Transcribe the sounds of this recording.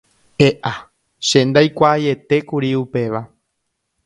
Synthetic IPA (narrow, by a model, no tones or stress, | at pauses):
eʔa | ʃẽnd̪ajkʷaːje̞t̪e̞kuɾiupe̞ʋa